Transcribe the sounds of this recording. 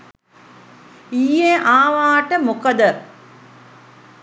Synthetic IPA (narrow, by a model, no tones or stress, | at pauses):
ijeʔaːʋaːʈəmukəd̪ə